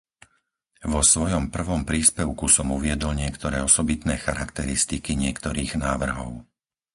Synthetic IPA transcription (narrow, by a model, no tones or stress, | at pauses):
ʋɔsʋɔjɔmpr̩ʋɔmpɾiːspɛʊkusɔmuʋɪɛd̪ɔlɲɪɛkt̪ɔɾɛːɔsɔbit̪nɛːxaɾakt̪ɛɾist̪ikiɲɪɛkt̪ɔɾiːɣnaːʋr̩ɦɔ̰ʊ